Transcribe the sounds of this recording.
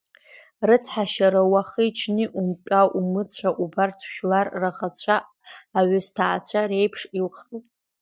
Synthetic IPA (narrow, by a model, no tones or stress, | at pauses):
rɨt͡sʰħaʃaɾawaχəit͡ʃʰnɨʔumpʲʼaʔumɨt͡ɕʷʰaʔubartʰʃᶣlarːaʁat͡ɕʷʰaː | ɥastʰaːt͡sʷʰaɾe̞jpʰʂilχitʼ